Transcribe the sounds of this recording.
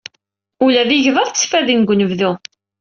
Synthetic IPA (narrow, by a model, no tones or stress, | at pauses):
ulæðiʝðəɾˤt͡sːfæðinɡʷnəvðu